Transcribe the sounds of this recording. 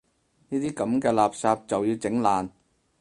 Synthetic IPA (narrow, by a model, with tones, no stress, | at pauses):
niː˥t̪iː˥kɐ˨˥mkɛː˧laː˨p̚saː˧p̚t͡sɐ˨wjiː˧wt͡sɪ˨˥ŋlaː˨n